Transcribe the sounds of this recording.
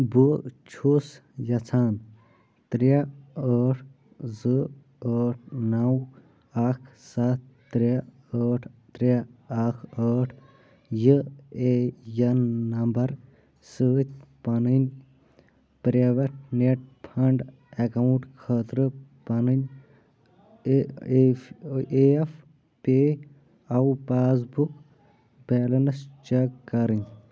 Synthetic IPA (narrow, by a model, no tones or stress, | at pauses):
but͡ʃʰusjɐt͡sʰaːn | t̪ɾjaəːʈʰ | zɨ | əːʈʰnaw | aːkʰsaːt̪̚ːɾa | əːʈʰt̪ɾaakʰəːʈʰ | jəejɐnːɐmbɐɾ | sɨt̪ʲpɐnɨnʲ | pɾeːʋɐʈ̚ʰneʈ̚pʰɐɳɖ | ekɐuɳʈkʰəːt̪ɾɨpɐnɨnʲ | ef | pe | ɐwpaːs̬buk | beːlɐnɐst͡ʃɐkkɐɾɨnʲ